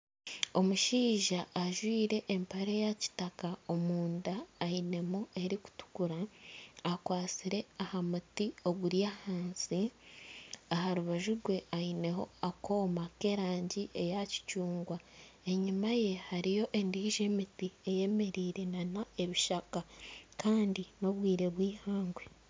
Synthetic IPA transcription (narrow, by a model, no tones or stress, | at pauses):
o̞muʃiːʒaʔːʒwiːɾe̞ʔːmpaɾejaci̥takao̞muːndaːine̞mue̞ɾiku̥tu̥kuɾaː | kwaːt͡siɾe̞ahamutio̞ɡuɾjahaːnsi | ahaɾuβaʒuɾɡwe̞aine̞ho̞ako̞ːmake̞ɾaːɲɟiʔe̞jaci̥cuːŋɡwa | e̞ɲimaje̞haɾijo̞ʔe̞ndiʒe̞mitie̞je̞me̞ɾiːɾe̞nanae̞βiʃakakaːndino̞βwiːɾe̞βwiːhaːŋɡwe